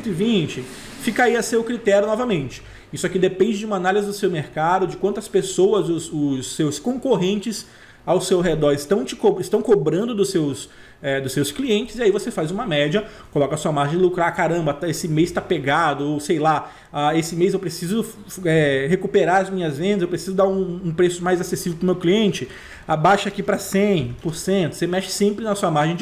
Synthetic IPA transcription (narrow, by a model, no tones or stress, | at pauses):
t̪ivĩt͡ʃɪ | fikaiɐsewkɾit̪ɛɾjʊnɔvɐmẽnt͡ʃɪ̥ | isʊakid̪epẽnd͡ʒɪd͡ʒɪũmɐanalizɪd̪ʊsewmeɾkad̪ʊd͡ʒɪkwɐ̃nt̪ʊɐspesowɐzʊsʊsːewskõkoɦẽnt͡ʃɪs | awsewɦed̪ɔɾɪst̪ɐ̃w̃t͡ʃɪ̥koɪst̪ɐ̃w̃kobɾɐ̃nd̪ʊd̪ʊsews | ɛd̪ʊsːewskliẽnt͡ʃɪ̥ziaivosefajzũmɐmɛd͡ʒɐ | kolɔkɐsuɐmaɾʒẽj̃ɪlukɾakaɾɐ̃bɐesɪmejst̪apeɡad̪ʊowsejla | aesɪmejzewpɾesizʊ | ɛɦekupeɾaɾɐzmĩɲɐzvẽnd̪ɐzewpɾesizʊd̪aɾũːpɾesʊmajzasesivewpɾʊmewkliẽnt͡ʃɪ | abaʃɐakipɾɐsẽj̃pʊɾsẽnt̪ʊ̥semɛʃɪ̥sẽmpɾɪnɐsuɐmaɾʒẽj̃d͡ʒ